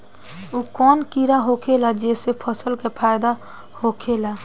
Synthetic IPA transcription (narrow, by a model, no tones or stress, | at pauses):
ukɔnkiɾaɦokʰelad͡ʒesepʰəsəlkepʰajd̪a | hokʰela